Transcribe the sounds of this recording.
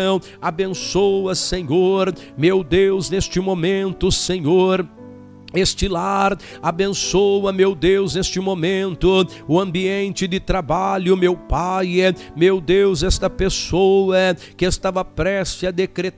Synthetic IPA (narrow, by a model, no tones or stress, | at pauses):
w̃ | abẽsowɐsẽɲoɾ | mewd̪ewznest͡ʃɪmomẽnt̪ʊseɲoɾ | est͡ʃɪlaɾ | abẽsowɐmewd̪ewznest͡ʃɪmomẽnt̪ʊ | ʊɐ̃mbiẽnt͡ʃɪd̪ɪt̪ɾabaʎʊmewpajɛ | mewd̪ewzɛst̪ɐpesowɐkɪest̪avɐpɾɛsɪɐd̪ekɾet̪